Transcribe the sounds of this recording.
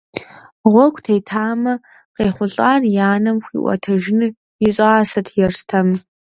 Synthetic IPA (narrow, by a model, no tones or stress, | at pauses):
ʁʷɔkʷʰʼtʰeːtʰaːmɐ | qeːχʷʊɬʼaːrjaːnɐmxʷḭːʔʷɔ̰tʰɐʒɪnɨ | jɪɕʼɐːsɐtʰjɛrstʰɐm